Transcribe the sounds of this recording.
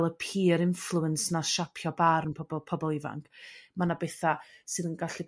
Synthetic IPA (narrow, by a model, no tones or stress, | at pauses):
lˠəpʰiːɾɪɱflˠuənsnaʃapʰjɔbaɾənpʰɔbɔpʰɔbɔlˠɪva̰ŋkʰmanabɛθasɨðənɡaɬib